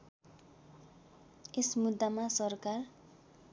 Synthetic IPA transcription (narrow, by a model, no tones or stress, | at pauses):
esmud̪ːamasʌrkar